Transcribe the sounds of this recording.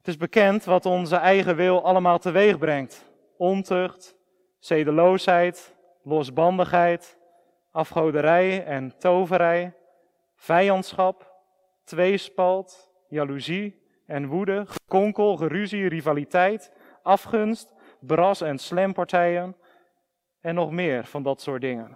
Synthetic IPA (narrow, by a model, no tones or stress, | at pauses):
ətɪzbəkɛntʋɑtɔnzəɛjχəʋɪlˠʔɑləmaːlˠtəʋejχbrɛŋt | ɔntøχt | sejdəlowsɦɛjt | lɔsbɑndəχɦɛjt | ʔɑfχowdəɾɛjɛntowvəɾɛj | v̥ɛjɑntsχɑp | tʋejspɑlˠt | jaluzi | ɛnʋudəχəkɔŋkəlˠχəryzirivalitɛjt | ɑfχɵnst | brɑsɛnslɛmpɑɹtɛjən | ɛnːɔχmɪːrv̥ɑndɑtsʊːɹt̚dɪŋən